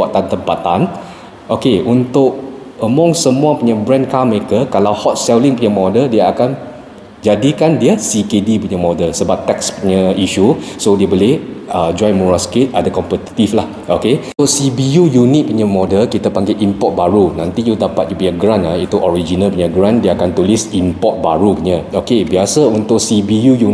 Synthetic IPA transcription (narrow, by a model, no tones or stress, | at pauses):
aʔt̪ant̪əmpat̪an | ʔokeʔunt̪ʊk̚əmɔ̃ŋsəmũapuɲə̃bɾɛnkaməekəkalawhɔt̪̚sɛliŋpuɲəmɔdəldiəakan | d͡ʒadikandiəsikedipuɲəmɔdəlsəbap̚t̪ɛkspuɲəiʃusodiəboleəd͡ʒɔjmuɹaskit̪̚adəkɔmpət̪i̥t̪iflah | oke | ʊsibijujunit̪̚puɲəmɔdəlkit̪apaŋɡeʔimpɔt̪̚baɾunãnt̪ijudapat̪̚d͡ʒupuɲaɡɾanlait̪uʔɔɹid͡ʒinalpuɲaɡɾandiəakant̪ulisimpɔt̪̚baɾukuɲəokebiasəunt̪ʊʔ̚sibijuju